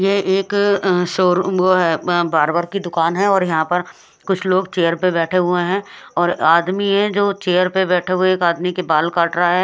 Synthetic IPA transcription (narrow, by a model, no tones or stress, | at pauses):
jeːeːksoːɾoɦɛːbaːɾbəɾkid̪ʊkaːnɦɛ̃ɔːɾjɐɦãpɐɾ | kʊt͡ʃʰloːɡt͡ʃeːəɾpebɛːʈʰeɦʊeɦɛ̃ɔːɾaːd̪miɦɛ̃d͡ʒoːt͡ʃeːəɾpebɛːʈʰeɦʊeeːkaːd̪mikebaːlkaːʈɾaaɦɛː